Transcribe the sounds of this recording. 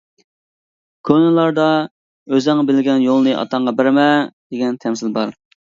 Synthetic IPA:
kʲʰønɨlˠɑɾd̪ɑ | øzɛŋbɪlɡʲɛnjolˠnɨʔɑ̰t̪ʰɑɴʁɑbɪɾmɛd̪̥eɡʲɛnt̪ʰɛmsɪlbɑɾ

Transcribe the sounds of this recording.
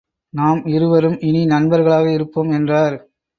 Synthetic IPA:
naːmɪɾɯʋɐɾɯmɪninɐnbɐɾɣɐɭaːɣɐɪɾɯpːoːmɛndraːɾ

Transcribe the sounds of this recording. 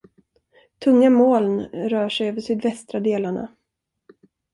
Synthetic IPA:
t̪ʰɵŋːamoːlnɾœːʂɛjøːvəʂyːd̪vɛst̪ɾad̪eːlaɳa̰

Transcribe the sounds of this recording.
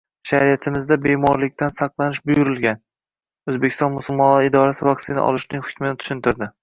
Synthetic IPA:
ʃaɾijat̪ʰɪmɪzd̪abe̞mɒɾlɪk̚ʲt̪ʰansɑqlˠanɪʃbʊjʊɾɪlˠɡʲan | ɵzbekʲʰɪst̪ɒnmʊsʊlˠmɒnɪd̪ɒɾasɪvakʲsɪna̰ʔɒ̰lˠɪʃnɪŋʲhʊ̥kʲmɪnɪt̪ʰʊ̥ʃɪnt̪ʰɪɾd̪ɪ

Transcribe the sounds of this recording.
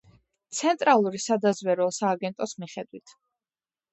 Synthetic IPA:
t̪sʰɛnt̪ʼɾalˠuɾisad̪azvwɛɾɔsaːɡɛnt̪ʼɔsmiχɛd̪wit̪ʰ

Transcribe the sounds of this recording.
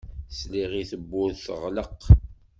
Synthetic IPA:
sliʁiθəbːʊðθəʁləq

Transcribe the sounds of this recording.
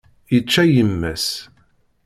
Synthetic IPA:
jət͡ʃːæjəmːæs

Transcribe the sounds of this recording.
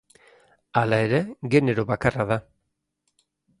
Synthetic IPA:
alae̞ɾe̞ɡe̞ne̞ɾo̞βakaraða

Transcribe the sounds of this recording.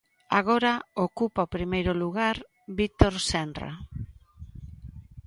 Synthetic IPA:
a̰ɣ̞oɾaokupaopɾimejɾoluɣ̞aɾ | βit̪oɾsenra̰

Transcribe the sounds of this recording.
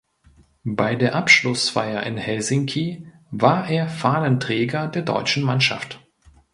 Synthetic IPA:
baɪdeːɐʔapʃlʊsfa̰ɪɐʔɪ̰nhɛlzɪŋkʰi | vaːɐʔeːɐfaːnəntʁ̥ɛːɡɐdeːɐdɔ̰ʏt͡ʃn̩manʃa̰ft

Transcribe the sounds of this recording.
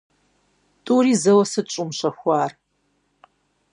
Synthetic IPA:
tʼuːɾiːzɐwɐsɨt͡ʃʼʊmɕɐxʷaːr

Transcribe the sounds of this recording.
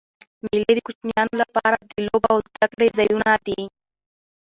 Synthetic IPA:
miled̪əkut͡ʃnijɑnolapɑɾad̪əlobaawzd̪akɽezajunad̪i

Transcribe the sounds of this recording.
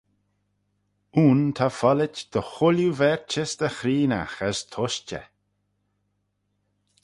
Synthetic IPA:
uːnt̪ʰafɔlɪt͡ʃd̪̥əxʊljuvɛɹt͡ʃɪsd̪əxɾiːna̰xəst̪ʰɔʃt͡ʃə̰

